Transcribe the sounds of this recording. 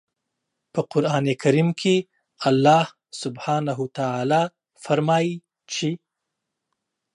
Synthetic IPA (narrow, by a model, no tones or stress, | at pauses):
pəqʊɾɑːnekʰaɾimkʰe | alːɑːh | sʊbhɑːnaɦut̪aʕaːlɑ | faɾmɑːji | t͡ʃʰe